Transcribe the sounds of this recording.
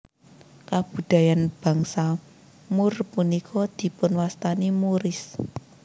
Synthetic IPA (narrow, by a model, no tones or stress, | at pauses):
kab̥ṳd̪̥a̤janb̥ä̤ŋsa | murpunikʰɔd̪̥i̤pʊnwast̪animuɾɪs